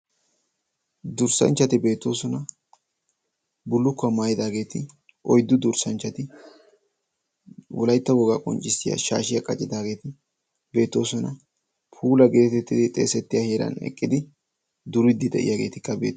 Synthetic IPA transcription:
d̪ʊɾsɐ̰nt͡ʃːɐt̪ɪbe̞ːt̪ːo̞ːsɔnɐ | bʊlːʊkːɐmaːjɪd̪aːɡe̞ːt̪ɪ | ʔɔjd̪ːʊd̪ʊɾsɐnt͡ʃːɐt̪ɪ | wɔlɐjt̪ːɐɡɔɡakʼɔ̰nt͡ʃʼːɪsɪjɐ̰ʃa̰ːʃɪjɐkʼɐt͡ʃʼɪd̪aːɡe̞ːt̪ɪ | be̞ːt̪ːo̞ːsɔnɐ | pʰuːlɐɡe̞ːt̪ɛt̪ːɪd̪ɪt̪ʼe̞̰ːsɛt̪ːɪjahe̞ːɾɐ̰nɛ̰kʼːɪd̪ɪ | d̪ʊɾɪd̪ːɪd̪ɛ̰ʔɪ̰jaːɡe̞ːt̪ɪkːɐbe̞̰ːt̪ː

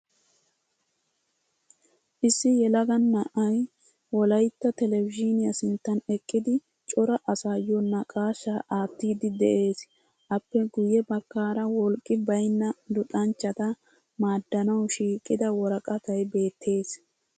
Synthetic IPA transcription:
ʔɪsːɪjɛlɐɡɐnːɐʔɐj | wɔlɐjt̪ːɐt̪ɛlɛvɪd͡ʒɪnɪjɐsɪnt̪ːɐnɛkʼːɪd̪ɪ | t͡ʃʼɔɾɐʔɐsaːjɔnːɐkʼaːʃːaʔaːt̪ːiːd̪ɪd̪ɛʔe̞ːs | ʔɐpːɛɡʊjːɛbɐkːaːɾɐwɔlkʼːɪbɐjnːɐd̪ʊt̪ʼɐnt͡ʃːɐt̪ɐ | maːd̪ːɐnɐwʃiːkʼːɪd̪ɐwɔɾɐkʼɐt̪ɐjbe̞ːt̪ʰːe̞ːs

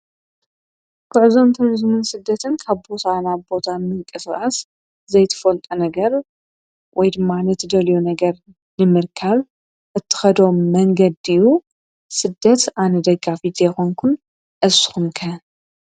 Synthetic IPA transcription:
kʰɨʕɨzo̞mt̪ʰɨɾizmɨnsɨd̪ːɐt̪ʰɨnkʰaβbo̞t̪ʰanaβbo̞t̪ʰamɨŋkʼɨskʼas | zɐjt̪ʰɐ̥fɐlt̪ʼunɐɡɐɾ | wʔɔjd̪ɨmːanɐt̪ʰɨd̪ɐlijunɐɡɐɾ | nɨmɨɾkʰaβ | ʔɨt̪ʰːɨ̥xɐd̪o̞mːɐŋɡɐd̪iju | sɨd̪ːɐt̪anɐd̪ɐɡafit̪jɛxoŋkʰun | ʔɐsxumkʰɐ

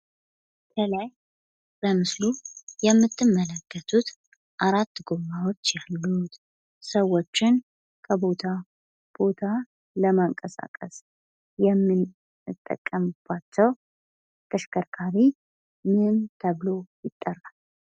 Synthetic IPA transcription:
kʰəlaj | b̥əmɨslujɛmːɨt̪ʰːɨmːələkːət̪ʰut̪ | ʔaɾat̪ːɡo̞mawo̞t͡ʃːjalːut̪ | səwːo̞t͡ʃːɪn | kʰəbo̞t̪ʰa | b̥o̞t̪ʰa | ləmaŋkʼəsa̰kʼə̰s | jɛmːɨn | ɨt̪ʼːə̰kʼːəmb̥ːat͡ʃːɛw | kʰʼəʃkʰəɾkʰaɾi | mɨmt̪ʰəβlo̞jɪt̪ʼːərːal

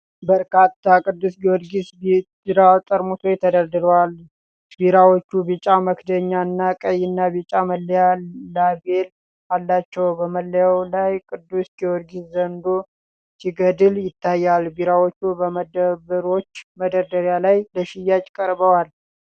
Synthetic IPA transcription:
bəɾkat̪ʰːakʼɨd̪ːusɡiwɔd̪ɡisbid̪ɨɾawt̪ʼəɾmut̪ʰojɛt̪ʰəd̪əɾd̪ɨɾəwal | biɾawot͡ʃːubit͡ʃʼaməkd̪əɲːaɨnːakʼəjːɪnːabit͡ʃʼaməlːijallabe̞l | alːat͡ʃːɛwbəməlːjawlajkʼɨd̪ːusɡiwɔd̪ɡiszənd̪o | siɡəd̪ɨljɪt̪ʰːajːalbiɾawot͡ʃːubəməd̪əbəɾo̞t͡ʃːməd̪əɾd̪əɾjalajləʃɪjːat͡ʃʼkʼəɾbəwal

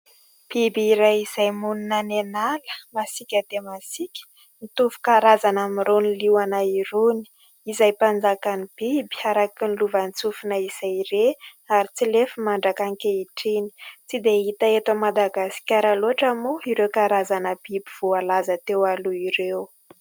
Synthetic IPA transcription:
b̥ibiɾajizajmununanenalə̥masikʲəd̪̥emasikʲə̥ | nit̪uvu̥kaɾazanamiɾonilianaiɾoni̥ | izajpand͡zakanib̥ibi̥aɾakinluvant͡sufunəiz̥ajɾe | aɾit͡silefəmaɳɖ͡ʐakaŋkʲeiʈ͡ʂini̥t͡sid̪eɦit̪aet̪amad̪aɡasi̥kʲaɾaloɦaʈ͡ʂamuiɾewkaɾazanəb̥ibiv̥ualazət̪ewaluiɾew

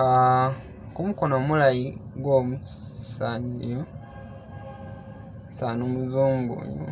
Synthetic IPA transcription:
a | kumukonomulajiɡwomu | saːɲdio | saːnomuzuːmɡṵɲṵ

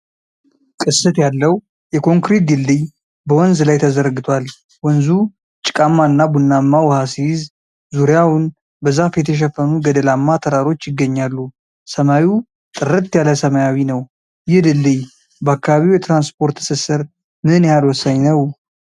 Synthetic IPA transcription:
kʼɨsːɨt̪jalːəw | jɛkʰo̞ŋkɾet̪̚d̪ɨlːɨj | bəwɔnzlajt̪ʰəzəɾɡɨt̪ʰwal | wɔnzu | t͡ʃʼɪ̥kʼamːaɨnːabunːamːawɔhasiz | zuɾjawʊn | bəzafjɛt̪ʰəʃ̬ɛfːənuɡəd̪əlamːat̪ʰəɾaɾo̞t͡ʃːjɪɡːəɲːalːu | səmawu | t̪ʼɨɾɨt̪ːjaləsəmajawinəw | jɪd̪ɨlːɨj | bəakːaβaβiwjɛt̪ɾanspʰo̞ɾt̪sɨsɨɾ | mɨhɨnjhalwɔsːaɲnəw

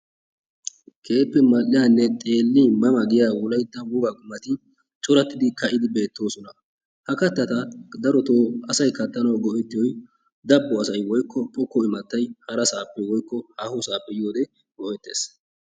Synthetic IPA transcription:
kʰe̞ːpːɛmɐlːɪjanːɛt̪ʼe̞ːlːimɐmɐɡɪjaːwɔlɐjd̪ːɐwʊɡaɡʊmːɐt̪ɪ | t͡ʃʼɔɾɐt̪ːɪd̪ɪkɐʔɪd̪ɪbe̞ːt̪ːo̞ːsɔnɐ | hɐkɐt̪ːɐt̪ɐd̪ɐɾɔt̪oːɐsɐjkɐt̪ːɐnɐwɡɔʔɛt̪ːɪjɔj | d̪ɐbːɔɐsɐjwɔjkːɔpʼɔkːɔɪmɐt̪ːɐjhɐɾɐsaːpːɛwɔjkːɔhahɔsaːpʼːɛjoːd̪ɛ | ɡ̥ɔʔɛt̪ːḛːs

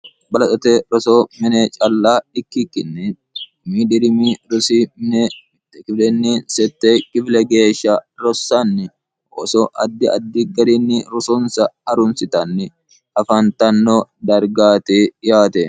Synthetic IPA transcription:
bɐlɐt̪ʼɔt̪ɛɾɔsoːmɪnɛt͡ʃʼɐlːaːɪkːɪkːɪnːɛ | miːd̪ɪɾɪmiɾʊsiːmnɛ | kɪflɛnːiːnsɛt̪ːekʼɪflɛɡe̞ːʃːɐɾɔsːanːɪ | ʔɔsɔʔɐd̪ːɪʔɐ̰d̪ːɪɡɐɾinːɪɾɔsɔnsɐɐɾʊnsɪt̪ɐnːɪ | ɐfɐnt̪ɐnːod̪ɐɾɡaːt̪eːjaːt̪ɛ

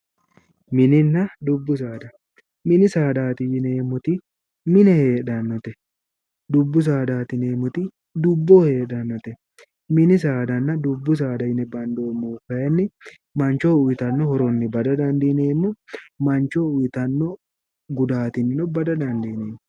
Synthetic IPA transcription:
mɪnɪnːɐd̪ʊbːʊs̬aːd̪ɐ | mɪnɪsaːd̪aːt̪ɪjɪneːmʊt̪ɪ | mɪnɛheːᶑɐnːɔt̪ɛ | d̪ʊbːʊs̬aːd̪aːt̪ɪneːmʊt̪ɪ | d̪ʊbːoːheːᶑɐnːɔt̪ɛ | mɪnɪs̬aːd̪ɐnːɐd̪ʊbːʊs̬aːd̪ɐjɪnɛbɐnd̪oːmːufɐjɛnːɪ | mɐnt͡ʃoːʊjɪt̪ɐnːɔhɔɾɔnːɪbɐd̪ɐd̪ɐnd̪ɪneːmːɔmɐnt͡ʃoʊjɪt̪ɐnːɔ | ɡʊd̪aːt̪ɪnːɪnɔbɐd̪ɐd̪ɐnd̪ineːmː

